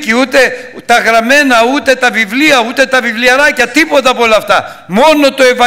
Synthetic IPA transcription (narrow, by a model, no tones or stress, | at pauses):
ciut̪e̞t̪ɐɣɾɐme̞nɐut̪e̞t̪ɐvivliɐut̪e̞t̪ɐvivliɐɾɐcɐt̪ipo̞t̪ɐːpoo̞lɐːft̪ɐ | mo̞no̞t̪o̞e̞vɐ